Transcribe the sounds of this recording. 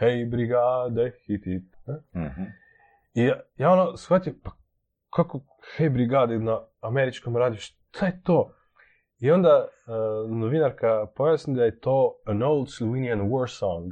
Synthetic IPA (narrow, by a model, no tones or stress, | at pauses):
hejbɾiɡad̪exit̪it̪nɛ | ijajaonosfat̪impḁ | kʰako | xejbɾiɡaːd̪enaːmeɾit͡ʃkomɾaːd̪ijoʃ | t̪ʰajet̪oː | io̞nd̪a | noʋinaɾkapojasnid̪ajet̪oːənolˠd̪sluinijanwoɾsawnd̪